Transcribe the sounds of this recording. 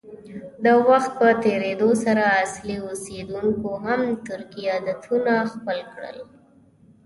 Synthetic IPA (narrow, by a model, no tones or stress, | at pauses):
d̪əwaxt̪̚pət̪eɾed̪osaɾaːsliosed̪uŋkoɦamt̪ʊɾkijad̪at̪ʰunaxpəlkɽə̰l